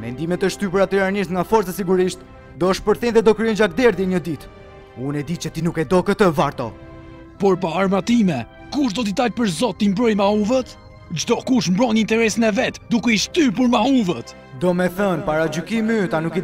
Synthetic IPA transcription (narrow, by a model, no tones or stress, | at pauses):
mɛ̰nd̪imɛt̪əʃt̪ypəɾat̪iɾaniʃt̪ŋɡafɔɾt͡sasiɡuɾiʃt̪ | d̪ɔəʃpəɾθɛnðɛd̪ɔkɾiɔnd͡ʒak̚d̪ɛɾðjɛɲəd̪it̪ | unɛd̪it͡ʃət̪inukɛd̪ɔkət̪əvaɾt̪ɔ̰ | pɔɾpaːɾmat̪imɛ | kuʃd̪ɔt̪̬id̪aʎpəɾzɔt̪ːimbɾɔjmauvət̪ | d͡ʒt̪ɔkuʃmbɾɔnint̪ɛɾɛsinɛvɛt̪d̪ukɛiʃt̪yp̬əɾmauvət̪ | d̪ɔmɛθənpaɾad͡ʒykimyt̪anuki